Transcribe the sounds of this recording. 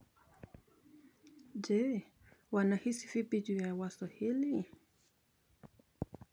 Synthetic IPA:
d͡ʒɛ | wanahisifipit͡ʃujawaswahili

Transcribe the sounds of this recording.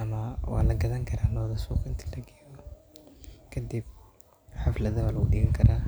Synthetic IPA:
ʔɐmɐwɑ̰ːlɐɡɐðɐŋkʰɐɾʔaːlɔːðɐsuːkʰɪnt̪ʰi̥ːlɐɡɛːjɔ | kʰɐd̪ib̚ | ħɑflɐðɐwaːlɐɣʊɗɪɣɐŋkʰɐɾaː

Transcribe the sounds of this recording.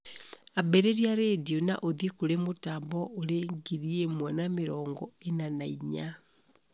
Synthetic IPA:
abeɾeɾiaɾediona̰ʔoðjekoɾemotaːmbɔoɾeŋɡiɾiemwanameɾɔːŋɡɔenanaiɲa

